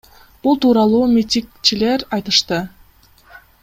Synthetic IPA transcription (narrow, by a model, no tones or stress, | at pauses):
b̥ulˠt̪uːɾɑlˠuːmʲit̪ʲikt͡ʃile̞ɾɑjt̪ɯʃt̪ɯ